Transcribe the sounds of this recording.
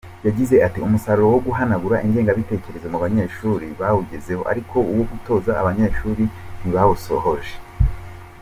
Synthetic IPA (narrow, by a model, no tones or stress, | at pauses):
jaɟize̞ʔatiumusaɾuɾo̞wo̞ɡuɦanaɡuɾaʔiŋɡe̞ːŋɡaβite̞ce̞ɾe̞zomuβaɲe̞ʃuɾiβawuɟeze̞ho̞ʔa̰ɾikʰo̞uwo̞ɡuto̞ːza̰ːβaɲe̞ʃuːɾin̥iβawuso̞̰ho̞ʒe